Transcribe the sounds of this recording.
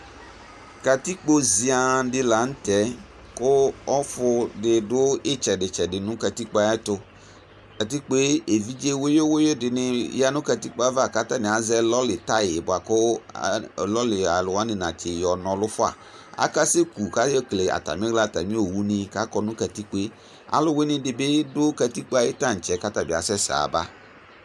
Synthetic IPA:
ka˨t̪i˦k͡po˦zi˨˦a˨dɪ˦la˨˦n̩˦t̪ɛ˦ | kʊ˦ɔ˦fʊ˦dɪ˨dʊ˦ɪ˦t͡ʃɛ˨dɪ˨t͡ʃɛ˨dɪ˨nʊ̃˦ka˨t̪i˦k͡pa˦jɛ˦t̪ʊ˦ | ka˨t̪̬i˦k͡pe˦e˨vi˦d͡ʒe˦wo˦jo˦wo˦je˦dɪ˨nɪ˦ja˦nʊ̃˦ka˨t̪i˦k͡pa˦va˦˨ka˦t̪a˦nɪ̃˨a˨zɛ˦lɔ˦lɪ˨t̪a˦jɪ˨bʊ˨a˨kʊ˦˨ | lɔ˦lɪ˨a˨lʊ˨wa˦nɪ̃˨nã˨t͡ʃɪ˨jɔ˨nɔ̃˨lʊ˦fʊ˦a̰˨ | a̰˦ka˦sɪ˦ku˨ka˦je˦kle˨a̰˨t̪a̰˨mɪ̃˦ɡla˦˨t̪a̰˨mĩ˦o˨wu˦nɪ̃˦ka˦kɔ˨nʊ̃˦kɛ˨t̪i˦k͡pe˦ | a̰˨lʊ˦we˦nɪ̃˦dɪ˨bɪ˦dʊ˦kɛ˨t̪i˦k͡pa˦jɪ˦t̪a˦n̩˨t͡ʃɛ˦ka˦t̪a˦bɪ˨a̰˨sɛ˦sa̰˨ba̰˦

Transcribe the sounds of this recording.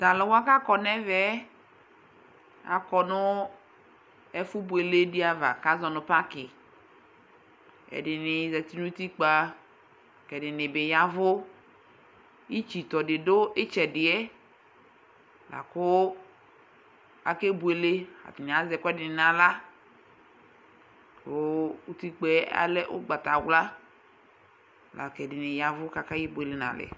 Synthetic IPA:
t̪a˨lɛ˨wo˦a˦ka˦kɔ˨nɛ˦vɛ˦ | a̰˨kɔ˨nʊ˦ | ɛ˦fʊ˦bu˨e˨le˦dɪ˦a˨va̰˨ka˦zɔ˨nʊ̃˨pa˦kɪ˨ | ɛ̰˨dɪ˨nɪ˨zɛ˨ti˦nu˦t̪i˦k͡pa˨ | kɛ˨dɪ˨nɪ˨bɪ˨ja˨vʊ˦ | i˦t͡ʃi˨t̪ɔ˨dɪ˨do˦ɪ˦t͡ʃɛ˨dɪ˨ɛ˦ | la̰˨kʊ˦ | a̰˨ke˦bu˨e˨le˦a̰˨t̪ɪ˨nɪ̃˨a˨zɛ˨kʊ˦ɛ˦dɪ˨nɪ˨nã˨la˦ | kʊ˦u˦t̪i˦k͡pɛ˦a̰˦lɛ˦ʔʊ̰˦ɡ͡ba˨t̪a˨wla˦ | la̰˨kɛ˨dɪ˨nɪ˨ja˨vʊ˦ka˨ka˦ji˦bu˨e˨le˦nã̰˨lɪ̰˨

